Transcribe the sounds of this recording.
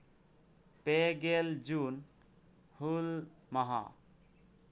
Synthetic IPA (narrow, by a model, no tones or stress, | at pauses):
peɡeld͡ʒun | hulmʌɦa̰